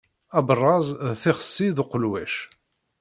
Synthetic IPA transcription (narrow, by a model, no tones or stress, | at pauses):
æbrˤːɑzˤθɪχə̥sːiðʊqlwæʃ